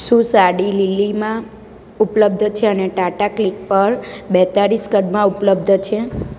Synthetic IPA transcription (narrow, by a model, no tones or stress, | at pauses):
ʃũsaɽililimã | upləbd̪ʱt͡ʃʰeəneʈaʈaklik̚pəɾbɛt̪aɾiskəd̪mãupləb̚d̪ʱt͡ʃʰe